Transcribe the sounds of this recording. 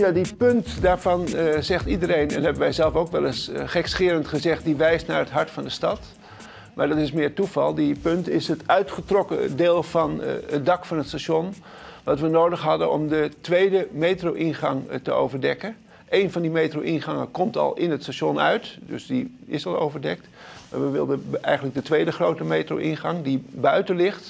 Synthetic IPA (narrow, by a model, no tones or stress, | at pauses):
jadipøntdaːɹvɑnzɛχtidəɾejnɛ̰nɦɛbənʋɛjzɛlˠfowkʋɛlˠəsχɛksχɪːɾəntχəzɛχt̚diʋɛjstnaɹɦətɦɑɹtfɑndəstɑt | maɹdɑtɪsmɪːtuvɑ̰lˠdipøntɪsətœɥtχətrɔkə̰deːlˠfɑnədɑkfɑnətstaʃonʋɑtʋənoːwdəχɦɑdəɔ̰mdətʋejdəmejtrowʔinχɑŋtəo̰wvəɹdɛkən | ejnvɑndimejtrowʔinχɑŋə̰kɔmtɑ̰lˠɪnɦətstaʃɔnœ̰ɥtdø̰sdiɪsɑlˠo̰wvəɹdɛk̚t | ma̰ːɹʋəʋɪ̰lˠdəɛ̰jxənlək̚dətʋejdəχroːwtəmejtro̰wʔɪnχɑŋdibœɥtənlɪχt